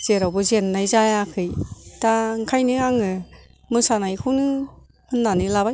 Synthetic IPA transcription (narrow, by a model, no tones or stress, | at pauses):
z̥eɾawbɯzenːajzajakʰɯjtaŋkʰajniaŋɯ | mɯsanajkʰɯnɯ | hɯnːanilabaj